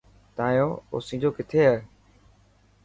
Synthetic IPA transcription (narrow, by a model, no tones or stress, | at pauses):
t̪aːjoːo̰ːsĩːd͡ʒoːkɪt̪ʰeːɦaː